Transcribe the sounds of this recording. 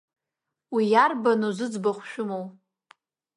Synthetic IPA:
wijarbanuzɨd͡zbaχʷʃᶣʊmow

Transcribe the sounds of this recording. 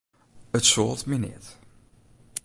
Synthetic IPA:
ətsoːtminɪ̰t

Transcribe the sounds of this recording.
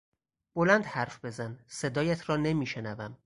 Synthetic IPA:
b̥olænd̪hæɾfb̥e̞zænse̞d̪ɒːjæt̪ʰɾɒːne̞miːʃe̞nævæm

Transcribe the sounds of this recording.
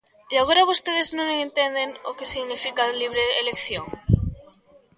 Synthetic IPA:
iaɣ̞oɾaβust̪eð̞eznõŋent̪e̞nd̪enokesiɣnifikaliβ̞ɾeːlekθjoŋ

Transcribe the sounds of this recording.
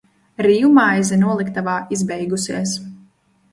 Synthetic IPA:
ɾiːumajzinuɔlˠikt̪avaːizbɛjɡusiɛs

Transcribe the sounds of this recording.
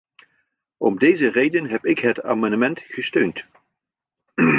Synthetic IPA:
ʔɔ̰mdejzərejdənɦɛpɪkɦəta̰ːmɑndəmɛntχəstøɥnt

